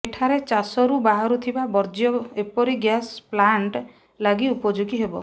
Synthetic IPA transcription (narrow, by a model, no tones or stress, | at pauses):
eʈʰaɾet͡ʃasɔɾubaɦaɾut̪ʰibabɔɾd͡ʒjɔepɔɾiɡjasplaɳʈ | laɡiupɔd͡ʒuɡiɦebɔ